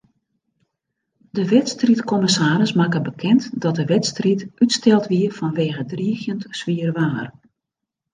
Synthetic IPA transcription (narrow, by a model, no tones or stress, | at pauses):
dəʋɛtstritkɔmɪsaːɾəsmaːkəbəkʰɛntdɔt̚dəʋɛtstritytstɛlˠtʋiərfɔnʋeːɣədriəxjəntsʋiərʋaːr